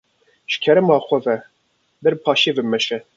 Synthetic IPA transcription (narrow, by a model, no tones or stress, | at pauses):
ʃkʲʰɛɾɨmɑːxʷɛvɛ | b̪ɛɾpʰɑːʃeːvɨmɛʃɛ